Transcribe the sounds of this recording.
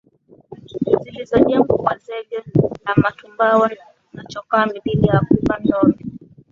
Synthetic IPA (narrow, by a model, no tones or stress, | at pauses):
zilizɔɲɛmbɔmwazɛɡɛnamatumbawa | nat͡ʃɔkaːmiɓilijakubandɔni